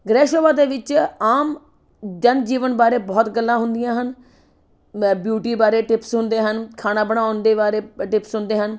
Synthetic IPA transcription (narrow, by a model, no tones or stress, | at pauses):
ɡɾɛːʃoːʋãːd̪eːʋɪt͡ʃaːm | d͡ʒənd͡ʒiːʋənbaːɾeːbɔːt̪ɡəlːãːɦʊnd̪ɪjãːɦən | bjuːʈiːbaːɾeːʈɪpsɦʊnd̪eːɦənkʰaːnãːbəɽãːɔ̃ːnd̪eːbaːɾeːʈɪpsɦʊnd̪eːɦən